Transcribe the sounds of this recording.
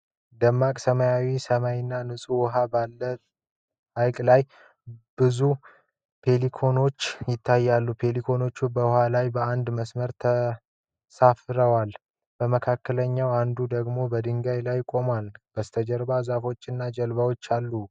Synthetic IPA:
d̪əmːakʼsəmajawisəmajɪnːanɨsʼuwɔɦabalːə | ʔajkʼlaj | bɨzu | pʰe̞likʰo̞no̞t͡ʃːjɪt̪ʰːajːalːupʰe̞likʰo̞no̞t͡ʃːubəhalajbəand̪məsməɾt̪ʰə | safɾəwal | b̥əməkʰakːələɲːawand̪ud̪əɡmo̞bəd̪ɨŋɡajlajkʼo̞malb̥əst̪ʰəd͡ʒəɾbazafo̞t͡ʃːɨnːad͡ʒəlbawo̞t͡ʃːalːu

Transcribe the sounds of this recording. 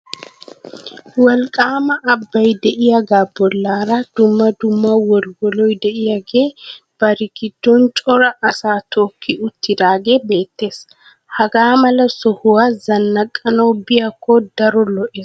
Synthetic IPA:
wɐlkʼaːmɐʔɐbːɐjd̪ɛʔɪjɐɡaːbɔlːaːɾɐd̪̥ʊmːɐd̪ʊmːɐwɔɾɡɔlɔjd̪ɛʔɪjɐɡeː | b̥ɐɾɪkɪd̪̥ːɔnt͡ʃʼɔɾɐʔɐsaːt̪ʰoːkʰːɪʊt̪ːɪd̪aːɡeːbe̞ːt̪ːe̞ːs | hɐɡaːmɐlɐsɔhʊwazɐnːɐkʼːɐnoːbɪjɐkːɔd̪ɐɾɔlɔʔeːs

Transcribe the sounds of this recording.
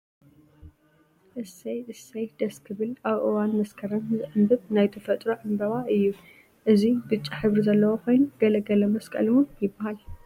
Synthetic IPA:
ʔɨsːɐjʔɨsːɐjd̪̥ɐskʰɨβɨlaβʔɨwanmɐskʰɐɾɐnzɨʕɨmbɨβnajt̪ʰɨfɐt̪ʼɾoʕɨmbɐβaʔɨjːu | ʔɨzibɨt͡ʃʼːiħɨβɾizɐlːɐwokʰo̞jnuɡ̥ɐlɐɡɐlɐmɐskʼɐ̰lmujɪbːahal

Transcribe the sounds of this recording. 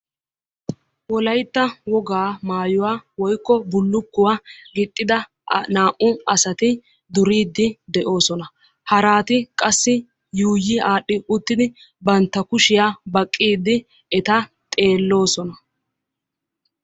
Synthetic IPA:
wɔlɐjt̪ːɐwɔɡaːmaːjʊwaːwɔjkːɔbʊlːʊkːʊwaːɡɪt̪ʼːɪd̪ɐ | naːʔʊɐsɐt̪ɪ | d̪ʊɾiːd̪ːɪd̪ɛʔo̞ːsɔnɐ | hɐɾaːt̪ɪkʼɐsːɪ | juːjɪʔaːɗːɪʊt̪ːɪd̪ɪ | bɐnt̪ːɐkʊʃɪjaːbɐkʼːiːd̪ːɪ | ɛt̪ɐ | t̪ʼe̞ːlːo̞ːsɔnɐ

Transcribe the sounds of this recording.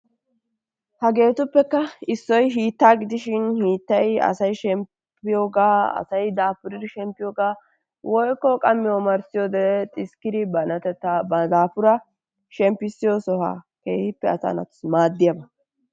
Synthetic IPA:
hɐɡe̞ːt̪ʊpːɛkːɐɪsːɔjɦiːt̪ːaːɡɪd̪ɪʃɪnhiːt̪ːɐjɐ̰sɐjʃɛm | pːɪjoːɡaːɐ̰sɐjd̪aːpʊɾɪɾɪʃɛmpːɪjoːɡaː | wʔɔjkːɔkʼɐmːɪɔmɐɾsɪjoːd̪ɛt̪ʼɪskɪd̪ɪbɐnɐt̪ɛt̪ːabɐd̪aːpʊɾɐ | ʃɛmpːɪsɪjosɔha̰ː | keːhɪpːɛɐta̰ːnɐ̰t̪ʊ̥smaːd̪ːɪjɐbɐ

